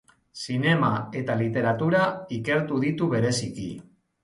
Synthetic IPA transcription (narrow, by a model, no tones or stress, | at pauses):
sine̞mae̞t̪alit̪e̞ɾat̪uɾaike̞ɾt̪uðit̪uβe̞ɾe̞sikḭ